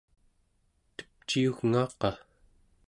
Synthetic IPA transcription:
t̪ə̥p̚t͡ʃiuɣŋɑːqɑ

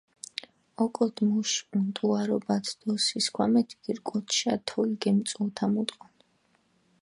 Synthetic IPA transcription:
ɔkʼɔd̪muʃunt̪ʼuaɾɔbat̪ʰd̪̥ɔsiskʰwamɛt̪ʰiɡiɾkʼɔt̪ʰʃat̪ʰɔiɡɛmt̪sʼult̪ʰamut̪ʼqʼɔn

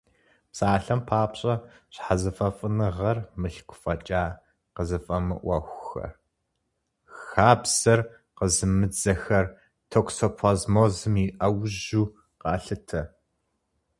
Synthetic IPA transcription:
psaːɬɐmpʰaːpɕʼɐ | ɕħazɐfʼɐfʼɨnɨʁɐrmɨɬkʷʰʊfʼɐt͡ʃʼaː | qəzɨfʼɐmɨ̰ʔʷɐxʷxɐ̰ | xaːbzɐr | qəzɨmɨd͡zɐxɐr | tʰoksopʰɐzmoːzɨmiʔɐwʑuː | qɑːɬɨtʰɐ

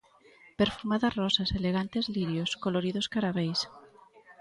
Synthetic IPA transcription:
peɾfumaðarɔsaseleɣant̪ezliɾjoskoloɾiðoskaɾaβejs

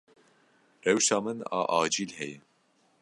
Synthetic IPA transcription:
rɛwʃɑːmɨnɑ̰ːʔɑːd͡ʒiːlhɛjɛ

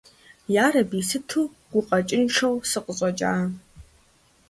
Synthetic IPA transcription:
jaːɾɐbiːsɨtʰuː | ɡ̥ʷʊqʼɐt͡ʃʼɪnʈ͡ʂʰɐwsɨqʼəɕʼɔt͡ʃʼa̰ː

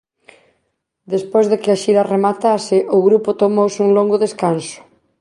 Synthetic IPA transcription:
d̪espojzðekeaʃiɾaremat̪asɪʔʊɣɾupʊt̪omowsuŋloŋɡʊðeskansʊ̥

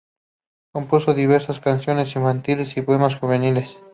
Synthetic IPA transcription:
ko̞mpusoðiβ̞eɾsaskansjo̞ne̞siɱfant̪ilesipoemasxuβ̞enile̞s

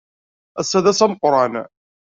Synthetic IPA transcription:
æsːæðæsæmqɾˤɑn

